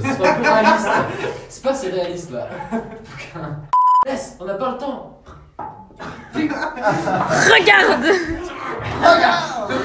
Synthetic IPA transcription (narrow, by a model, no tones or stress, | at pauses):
sɛpapʁealist̪sɛ̥paseʁealist̪la̰ | k | lɛsɔ̃napalət̪ɑ̃ | ʁəɡaʁd̪ | ʁəɡaʁ